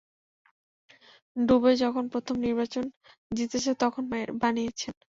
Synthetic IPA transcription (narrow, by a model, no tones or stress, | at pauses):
ɖubed͡ʑɔkʰonpɾot̪ʰomniɾbat͡ɕon | d͡ʑit̪et͡ɕʰet̪ɔkʰonmaeɾbanijet͡ɕʰen